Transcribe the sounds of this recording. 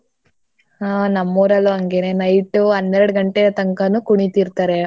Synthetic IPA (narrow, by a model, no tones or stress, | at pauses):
anɐmːuːɾɐluɐŋɡenenɐjʈːuɐnd̪eɾɐɽuɡɐɳʈeɾɐt̪ɐŋkɐnukuɳit̪iɾt̪aːɾe